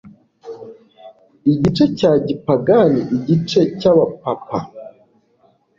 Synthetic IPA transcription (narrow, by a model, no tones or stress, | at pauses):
iɟit͡ʃe̞caːɟipaɡaniʔiɟit͡ʃe̞caβapapa